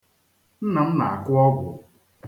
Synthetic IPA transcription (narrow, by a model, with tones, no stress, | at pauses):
n̩˦na˨n̩˦na˨a̰˨kʊ˦ɔ˦ɡʷʊ˨